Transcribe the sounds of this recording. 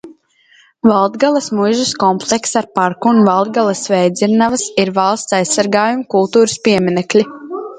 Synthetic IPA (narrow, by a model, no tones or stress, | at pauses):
valˠd̪ɡalˠɐsmujʒuskɔmplˠɛksaɾpaɾkuːnvalˠd̪̚ɡalˠɐsvɛjd̪ziɾnavɐsiɾvɑlˠst̪sajsːaɾɡaːjumkulˠt̪uːɾɨspiɛmʲinɛklʲi